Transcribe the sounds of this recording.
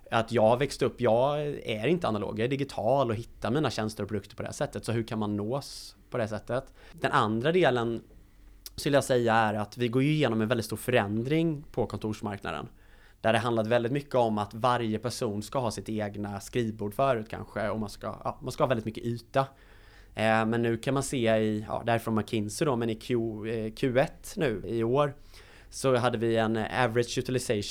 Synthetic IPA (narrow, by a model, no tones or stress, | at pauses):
at̪jɑːɡhaɾvɛkst̪ɵpːjɑːɡæɾɪnt̪əanalo̰ːɡɛɖ̪ɪɡɪt̪ʰɑːlɔɦɪt̪ːamiːnaɕɛnst̪əɾɔpʰɾʊd̪ɵkt̪əɾpɔd̪ɛhæ̰ːʂɛt̪ːət̪sɔɦɵkʰanmanːoːspʰɔd̪ɛhæːs̬ɛt̪ːət̪d̪ɛnʔand̪ɾad̪eːlən | skɵlːəjɑːsɛjːaæɾat̪vɪɡoːɾjɵɪjeːnɔmɛnvɛldɪt̪st̪uːɾfœɾɛnd̪ɾɪŋpʰɔkʰɔnt̪ʰuːʂma̰ɾkna̰d̪ə̰n | d̪̥æɖɛɦand̪at̪vɛld̪ɪt̪mʏkːəɔmat̪vaɾjəpʰæʂuːnskaɦɑːsɪt̪eːɡnaskɾiːvbuːɖfœːɾʉ̟ːt̪̚kʰa̰nɧəɔmanska̰ʔɑ̰ːmanskahɑːvɛlɪt̪mʏkːəʔyːt̪a | mɛnːʉ̟ːkʰanmanseːɪjɑ̰ːd̪æɾɪfɾɔnmakʰɪnsəd̪ɔmɛnɪkʰʉkʰʉ̟ːɛt̪ːnʉ̟ːɪoːɾ | sɔɦad̪ːəvɪɛnæ̰vɾɪdʂjʉt̪ɪlɪsɛ